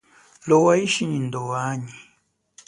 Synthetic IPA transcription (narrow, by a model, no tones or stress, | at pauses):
lɔwaiʃiɲindɔwaɲi